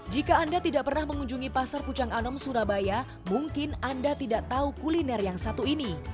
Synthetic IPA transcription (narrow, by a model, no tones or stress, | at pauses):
d͡ʒikaːndat̪idaʔpərnahməŋuɲd͡ʒuŋipasarput͡ʃaŋanɔmsuɾabaja | muŋkɪnandat̪idaʔt̪aukulinɛrjaŋsat̪uini